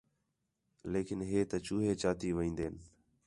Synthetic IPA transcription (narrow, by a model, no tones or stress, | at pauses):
leːkɪnɦeːt̪ət͡ʃuːɦeːt͡ʃaːt̪iːʋəĩːnd̪eːn